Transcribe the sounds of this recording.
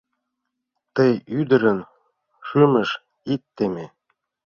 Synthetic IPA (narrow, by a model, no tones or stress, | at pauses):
t̪əjyd̪ə̆ɾə̆n | ʃymə̆ʃ | it̪ːeme